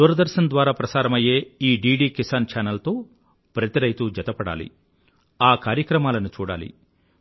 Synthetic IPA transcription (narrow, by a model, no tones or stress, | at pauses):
d̪uːɾɐd̪ɐɾʃɐnd̪ʋaːɾaːpɾɐsaːɾɐmɐjeːiːɖiːɖiːkisɐnt͡ʃaːnɐlt̪oː | pɾɐt̪iɾɐjt̪ud͡ʒɐt̪ɐpɐɽa̰ːlḭ | aːkaːɾjɐkɾɐmaːlɐnut͡ʃuːɽa̰ːlḭ